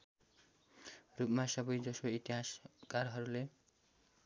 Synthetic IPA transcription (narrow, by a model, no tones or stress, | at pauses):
rupmasʌbʌjd͡zʌsoit̪iɦaskarɦʌɾule